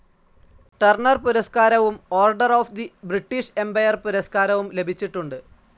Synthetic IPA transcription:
ʈɐrɳɐrpuɾɐskaːɾɐʋumo̞ːrɖɐroːfd̪ibriʈːiɕe̞mbɐjɐrpuɾɐskaːɾɐʋumle̞bʱit͡ɕːiʈːuɳɖɨ

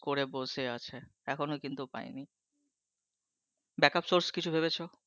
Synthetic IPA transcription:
koɾeboseat͡ɕʰeɛkʰonokint̪upa̰eni | bɛkapsoɾskit͡ɕʰubʱeβet͡ɕʰo

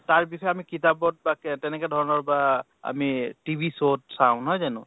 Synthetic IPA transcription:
taɹbisɔɛamikitabɔt̚baktɛnɛkɛdʱɔɹɔnɔɹba | a̰mitibʱisotsaʊ̃nɦɔjzanʊ̰

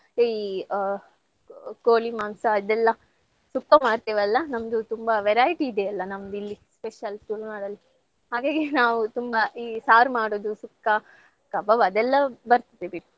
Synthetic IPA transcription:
i | koːlimaːmsɐːd̪ɛlːɐ | sukːɐmaːɖt̪eːʋɐlːɐnɐmd̪ut̪umbɐʋɛɾaːjiʈiːd̪eɐlːɐnɐmd̪ilːispeʃɐlʈ̪uːlmaːɽɐlːi | ɦaːɡaːɡenaːʋut̪umbɐʔiːsaːɾmaːɽoːd̪usukːɐ | kɐbɐbɐd̪ɛlːɐbɐɾt̪ɐd̪ebiɽ

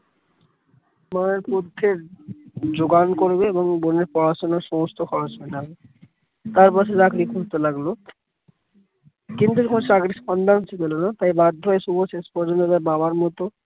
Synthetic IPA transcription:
maeɾpod̪ʱːeɾ | d͡ʑoɡankoɾbeeboŋboneɾpɔɾaʃonaɾʃɔmost̪ʰoxʰɔɾasɦenabe | t̪aɾpaʃʰed͡ʑakɾikʰuɾt̪olaɡlo | kint̪ukʰonot͡ʃaɡɾispɔnd̪anɦot͡ɕʰed̪elonat̪ajbad̪ʱːoeʃuboʃespɔɾd͡ʑont̪ot̪aɾbabaɾmɔt̪o

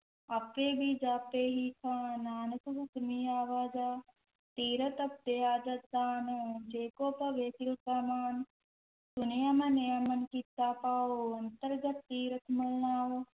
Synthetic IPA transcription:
ɐpʋeːbid͡ʒaːpːeːɦikʰãːnaːnɐkubukmiːaːʋaːd͡ʒaː | t̪iːɾɐt̪ɐp̚d̪ejaːd͡ʒɐd̪aːnoːd͡ʒeːkoːpɐʋeːt̪ilkamaːn | sunejɐmɐnejɐmɐnkit̪ːaːpaːoɐnt̪ɐɾɡɐt̪ːiːɾɐt̪ʰmɐlnaːwo

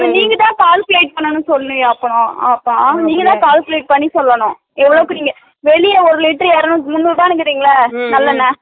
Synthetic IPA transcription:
pːɐniːŋɡɐt̪ãːkaːlpleːʈ̚pɐɳːɐnɯsɔlːɐnɯ̃ɐpːɐɳʊ̃a̰ːpːaːniːŋɡɐt̪ãːkaːlkɪleːʈ̚pɐɳːisɔlːɐɳʊ̃ | ɛʋːɐɭɐʋɯkːɯniːŋɡɐ | ʋɛɭɪjɐɔɾɯlɪʈːɾjaːɾɯnʊ̃mʊnːɯʋɪbaːnɯk̬ːɪɾiːŋɡɐɭɐnɐlːɐnːɐ

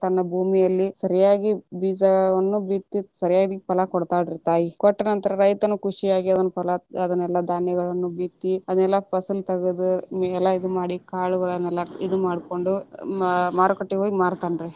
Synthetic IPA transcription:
t̪ɐnːɐbʱuːmijɐlːisɐɾijaːɡibiːd͡ʒɐʋɐnːubiːt̪ːisɐɾijaːd̪ipɐlɐkɔɽt̪aːɖiɾit̪aːjikɔʈːɐnɐnt̪ɐɾɐɾɐjt̪ɐnukuʂijaːɡiɐd̪ɐnːupɐlɐɐd̪ɐnɛlːɐd̪aːnjɛɡɐɭɐnːubiːt̪ːiɐd̪ɐnɛlːɐpɐsɐlt̪ɐɡud̪umɛlːɐid̪umaːɽikaːɭuɡɐɭɐnːɛlːɐid̪umaːɽko̞ɳɖu | maːɾkɐʈːiɦoːɡimaːɽt̪aːnɾe

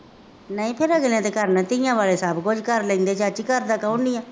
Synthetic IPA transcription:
nəĩːpʰɪɾaːɡɪlãːt̪eːkəɾnat̪ɪjãːʋaːleːsaːbkʊd͡ʒkəɾləĩːnd̪eːt͡ʃat͡ʃikəɾd̪aːkəunĩːãː

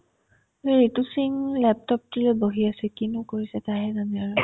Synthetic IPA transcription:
eɹetusiŋlɛp̚tɔp̚tilojboɦiasɛkinukoɹisɛtaɦɛzanɛaɹu

